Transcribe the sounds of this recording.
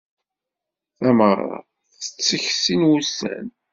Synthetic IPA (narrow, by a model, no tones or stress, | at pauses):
θæmərˤːɑ̰ | θə̥t͡sːəçsinwusːæ̰n